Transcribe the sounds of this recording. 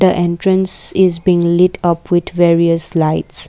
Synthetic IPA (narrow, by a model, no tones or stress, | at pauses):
dəʔɛ̃ntɹə̃nsɪzbĩːŋlɪtʰʌpʰwɪd̪vɛɹiəslaɪts